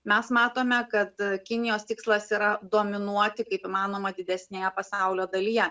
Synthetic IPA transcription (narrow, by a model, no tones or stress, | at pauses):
mʲɛsmɑːt̪oːmʲɛkɐt̪kʲɪnʲɪjoːst̪ʲɪkslˠɐsiːɾɐd̪oːmʲɪnuɔt̪ʲɪkɐɪpɪmɑːnoːmɐd̪ʲɪd̪ʲɛsʲnʲeːjɛpɐsɑʊlʲoːd̪ɐlʲijɛ